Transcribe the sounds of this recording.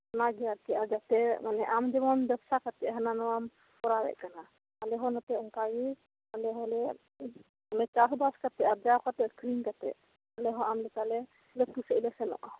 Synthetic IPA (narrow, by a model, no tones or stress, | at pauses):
naɡijaɾt̪ɛad͡ʒat̪ɛmanɛʔamd͡ʒɔbɔnbɛbsakat̪ɛɦananɔam | pɔɾabɛ̰ʔkana | alɛɦɔ̃nɔt̪ɛɔŋkaɡi | alɛɦɔlɛ | amɛt͡ʃasbaskat̪ɛad͡ʒawkat̪ɛkɾinkat̪ɛ̰ | alɛɦɔamlɛk̪alɛ | lɛt̪usɛilɛsɛnɔ̰ʔɔ